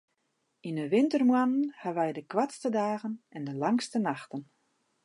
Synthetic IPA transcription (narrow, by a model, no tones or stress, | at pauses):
inəʋɪntərmwanən̩haʋɛjdəkʋatstədaːɣənɛndəlaŋstənaxtən